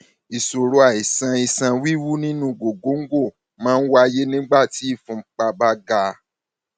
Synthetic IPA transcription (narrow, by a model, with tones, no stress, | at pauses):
i˨so˨ɾo˨a˨i˨sã˧i˧sã˧wi˦wu˦nĩ˦nũ˧˦ɡo˨ɡo˨˦ŋ̩˦ɡo˦˨ | mãː˦n̩˦wa˦˧je˦nĩ˦ɡ͡ba˦˨ti˨˦i˦˨fũ˧˦k͡pa˧ba˦ɡa˧